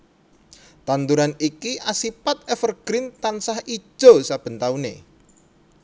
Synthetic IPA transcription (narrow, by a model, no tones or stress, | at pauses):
t̪ant̪uɾanikiʔasipat̪̚ɛfərɡ̥ɾɪnt̪ansahi̥ʒ̥o̤sab̥ə̤nt̪aunḛ